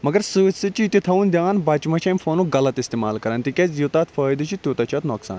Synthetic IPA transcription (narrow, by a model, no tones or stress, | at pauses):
mɐɡɐɾsɨːsɨt͡ʃit̪it̪ʰɐund̪ʲjaːnbɐːt͡ʃmɐʃɐmʲfoːnũɡɐlɐt̪ist̪eːma̰ːlkɐɾɐnt̪ikʲesjut̪aːt̪fɐːjd̪ɨt͡ʃʰit̪ʲjoːt̪ɐt͡ʃʰɐt̪noːksa̰ːn